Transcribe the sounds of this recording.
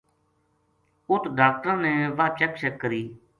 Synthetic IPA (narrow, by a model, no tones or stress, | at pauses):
ʊt̪ɖaːk̚ʈəɾneːʋaːt͡ʃəkʃəkːəɾiː